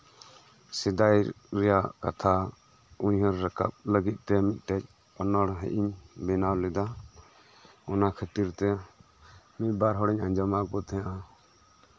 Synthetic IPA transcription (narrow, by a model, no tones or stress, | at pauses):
sɛd̪ajɾ | ɾɛjakat̪ʰa | uɲɦəɾːəka̰p̚ləɡit̪̚ˀt̪ːɛmit̪̚ˀʈ̪ɛc̚ˀ | ɔnɔɽɦɛ̰ʔiɲbɛnawlɛd̪a | ɔnakʰət̪iɾt̪ɛ | mit̪̚baɾɦɔɽɛɲaɲd͡ʒamakɔt̪ʰɛ̃ãʔa